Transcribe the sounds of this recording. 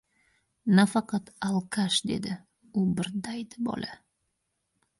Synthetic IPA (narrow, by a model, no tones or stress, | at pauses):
nafɑqɑt̪alˠkʰaʃd̪e̞̰d̪ɪ | ʊbɪɾd̪ajd̪ɪbɒ̰lʔa